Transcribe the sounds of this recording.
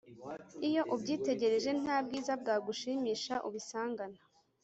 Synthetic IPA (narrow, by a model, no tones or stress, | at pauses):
ijo̞ʔubɟiːte̞ɟe̞ɾe̞ʒe̞n̥aːbɡiːzab̚ɡaːɡuʃiːmiːʃaʔṵβisaːŋɡana